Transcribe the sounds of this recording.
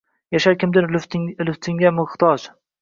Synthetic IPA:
jaʃaɾkʲɪmd̪ɪnllɪft̪ʰɪŋɡʲamɪχt̪ɒd͡ʒ

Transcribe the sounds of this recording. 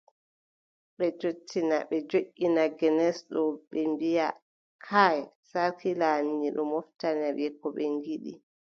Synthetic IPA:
ɓɛt͡ʃotʰːinaɓɛd͡ʒoʔʲːinaɡɛnɛsɗɔɓɛmbija | kʰaj | saɾkʰilanːiɗɔ̰mɔftanabɛkːɔɓɛŋɡiɗḭ

